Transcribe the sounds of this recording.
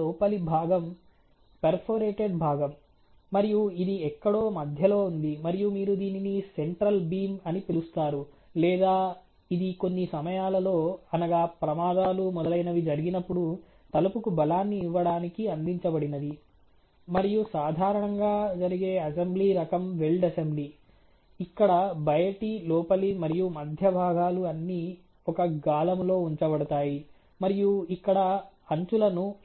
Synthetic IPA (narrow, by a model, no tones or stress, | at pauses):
ɔːpɐlibʱaːɡɐm | peɾpʰoɾeːʈeɖbʱaːɡɐmː | ɐɾijuid̪iɛkːɐɽo̞ːmɐd̪ʱjɐlo̞ːund̪imɐɾijumiːɾud̪iːninise̞ɳʈɾɐlbiːmɐnipilust̪aːɾulɛːd̪aː | id̪iko̞nːisɐmɐjaːlɐlo̞ːɐnɐɡaːpɾɐmaːd̪aːlumɔd̪ɐlɐjnɐʋid͡ʒɐɾiɡinɐpːuɽu | t̪ɐlɐpukubɐlaːnːiːʋːɐɽaːnikiɐnd̪iɲt͡ʃɐbɐɽinɐd̪i | mɐɾijusaːd̪ʱaːɾɐɳɐŋɡaːd͡ʒɐɾiɡe̞ːɐsembliːɾɐkɐmʋeɭɖɐsembliː | ikːɐɽɐbɐjɐʈilɔːpɐlimɐɾijumɐd̪ʱjɐbʱaːɡaːluɐnːi | ɔkɐɡaːlɐmlo̞ːuɲt͡ʃɐbɐɽɐt̪aːji | mɐɾijuikːɐɽɐɐɲt͡ʃulɐnu